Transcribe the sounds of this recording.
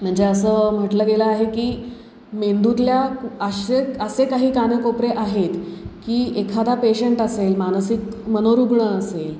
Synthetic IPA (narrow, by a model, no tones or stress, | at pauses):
m̤əɳd͡zeəsəːm̤əʈləɡeləaɦekiː | mend̪ut̪ljaəɕeəsekaɦiːkaɳəkopɾeʔaɦet̪kiːekʰad̪apeɕəɳʈəselmansikmənoɾuɡɳəəsel